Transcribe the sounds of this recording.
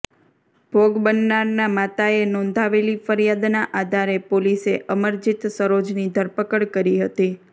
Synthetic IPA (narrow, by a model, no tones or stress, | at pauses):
b̥ʱoɡbənːaɾnamat̪aenɔ̃nd̪ʱaʋelifəɾjad̪naʔad̪ʱaɾepoliseʔəməɾd͡ʒit̪səɾod͡ʒnid̪ʱəɾpəkəɽkəɾiɦət̪i